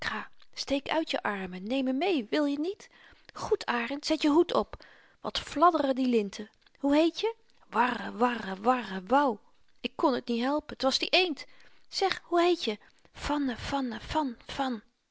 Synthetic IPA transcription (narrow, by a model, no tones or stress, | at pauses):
kχaːstejkœ̰ɥtjə̰ʔɑɹmənejməmejʋɪlˠjənit | χutʰaːrəntsɛtjəɦutʰɔp | ʋɑ̰tflɑdərədilɪntʰə | huɦejtjə | ʋɑrəʋɑrəʋɑrəʋɑw | ɪkːɔnətnitɦɛlˠpəntʋɑzdiʔejntsɛχhuɦejtjə | fɑnəv̥ɑnəfɑnfɑn